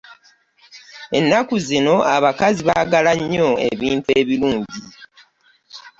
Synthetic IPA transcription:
e̞nːakuzino̞aβakaziβaɡalaɲːo̞e̞̰βiːntueːβiluːɲɟi

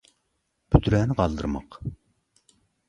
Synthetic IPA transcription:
b̥yt̪ɾɛːnɪqɑlˠd̪ɨ̰ɾmɑq

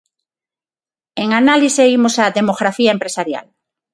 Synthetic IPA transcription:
eŋanaliseimosaðemoɣɾaθiaempɾesaɾja̰l

